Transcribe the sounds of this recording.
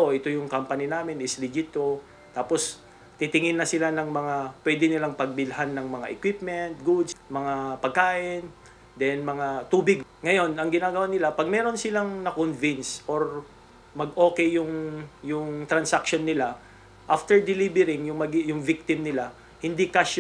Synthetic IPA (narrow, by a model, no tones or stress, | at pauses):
oʔɪt̪o̞jʊŋkampɐninaːmɪnɪslɪd͡ʒɪt̪o | t̪aːpos | t̪it̪ɪŋɪnːɐsɪlanɐŋmɐŋapwɛːd̪ɪnɪlaŋpɐɡ̚bɪlɦanːɐŋmɐŋaʔɛkwip̚mɛnt̪̚ɡud̪smɐŋapɐɡ̚kaːʔɪn | d̪ɛnmɐŋat̪uːbɪɡ̚ŋɐjo̞nɐŋɡɪnaːɡɐwanɪlapɐɡ̚mɛːɾo̞nsɪlaŋnɐkonvinsʔoɹ | mɐɡʔo̞ːkɛjjʊŋjʊŋt̪ɾɐnsakʃonːɪla | ʔaft̪ɛɹd̪ɪlibɛɾɪŋjʊmɐɡjʊŋvik̚t̪ɪmnɪla | hɪnd̪ikɐʃ